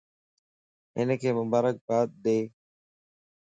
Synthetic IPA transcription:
ɪ̰nkʰeːmʊbaːɾək̚baːt̪̚d̪eː

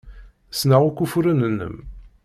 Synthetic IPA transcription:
snaʁukːufuɾənənːə̰m

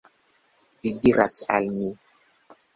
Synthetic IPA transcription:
bidiɾasa̰lni

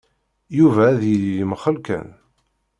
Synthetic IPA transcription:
juvæːðjəlijəməχəlkæ̰n

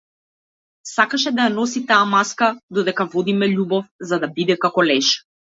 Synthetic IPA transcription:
sakaʃɛd̪ajanɔsit̪aːmaskad̪ɔd̪ɛkavɔd̪imɛʎubɔfzad̪abid̪ɛkakɔlɛʃ

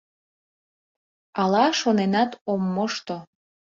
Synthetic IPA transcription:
ɑlɑʃonenɑt̪omːoʃt̪o

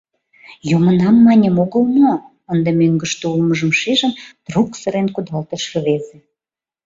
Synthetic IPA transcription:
jomənɑmːɑnʲemoɣəlmo | ənd̪emøŋɡəʃt̪oulməʒəmʃiʒəmd̪̥ruksəɾenkud̪ɑlt̪əʃəβezĕ

